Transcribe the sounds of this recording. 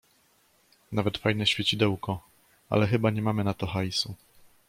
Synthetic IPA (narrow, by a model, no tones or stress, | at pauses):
navɛt̪fajnɛɕfʲjet͡ɕid̪ɛwkɔ | a̰lɛxɘbaɲɛmamɘnat̪ɔxajsu